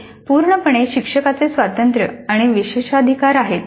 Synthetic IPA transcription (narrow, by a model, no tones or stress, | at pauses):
puɾɳəpəɳ̃eɕikʂəkat͡sesʋat̪ənt̪ɾə̰aɽ̃iʋiɕeɕəd̪ʱikaɾaɦet̪